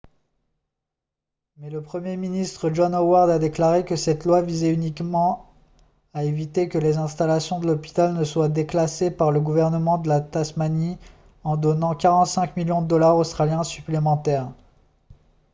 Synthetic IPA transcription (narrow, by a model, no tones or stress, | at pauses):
mɛləpχəmjeminist̪χəʒɔnowaʁd̪ad̪eklaʁekəsɛt̪lwavizɛynikmɑ̃ | aevit̪ekəlezɛ̃st̪alasjɔ̃d̪əlɔpi̥t̪alnəswad̪eklasepaʁləɡuvɛʁnəmɑ̃d̪əlat̪asmani | ɑ̃d̪ɔnɑ̃kʲaʁɑ̃t̪sɛ̃kmiljɔ̃d̪əd̪ɔlaʁost̪χaljɛ̃syplemɑ̃t̪ɛːʁ